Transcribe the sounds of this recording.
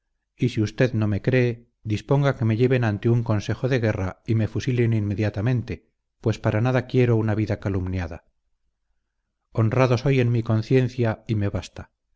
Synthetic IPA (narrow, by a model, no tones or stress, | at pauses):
isiust̪e̞ðno̞me̞kɾe̞ː | ðispo̞ŋɡake̞me̞ʎe̞βe̞nant̪e̞uŋko̞nse̞xo̞ðe̞ɣ̞e̞raime̞fusileninme̞ðjat̪amẽ̞nt̪e̞ | pwe̞spaɾanaðakje̞ɾo̞unaβiðakalumnjaða̰ | o̞nraðo̞so̞je̞nmiko̞nθje̞n̟θjaime̞βast̪a